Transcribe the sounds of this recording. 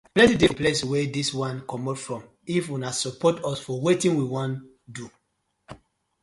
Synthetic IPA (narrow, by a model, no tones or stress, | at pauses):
plɛ̃tidepleswɛdiswãnkɔmɔtfɹɔ̃m | ifwũnasɔpɔtɔsfɔwetĩnwiwɔ̃n | du